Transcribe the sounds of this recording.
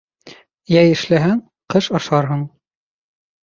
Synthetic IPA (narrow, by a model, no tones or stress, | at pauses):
jæjɘ̆ʃlæɦæŋ | qɤʃɑʃɑɾɦɤɴ